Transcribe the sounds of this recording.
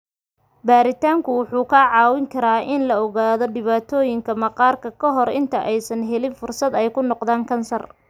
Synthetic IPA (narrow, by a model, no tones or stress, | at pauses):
baːɾɪt̪ʰaːŋkʰʊwʊħuːkʰaʕɑːwɪŋkʰɐɾaːʔɪnlɐɔɣaːðɔɖɪβaːt̪ʰɔːjɪŋkʰɐmɐqɑːrkʰɐkʰɐɦɔɾɪ̰nt̪ʰɐʔɛjsɐnɦɛlɪnfʊrsɐd̪ɛjkʰʊnɔqðaːŋkʰɐnsɐr